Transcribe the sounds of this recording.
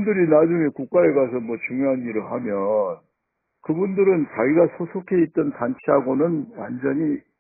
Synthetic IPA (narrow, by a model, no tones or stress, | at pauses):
ndɯɾinad͡ʑuŋe̞kuk̚k͈aekasʰʌmwʌt͡ɕuŋjoɦanːiɾɯɭɦamjʌn | kɯbundɯɾɯnt͡ɕaɡiɡasʰosʰokʰe̞it̚t͈ʌntant͡ɕʰiɦaɡonɯnwa̰nd͡ʑʌɲi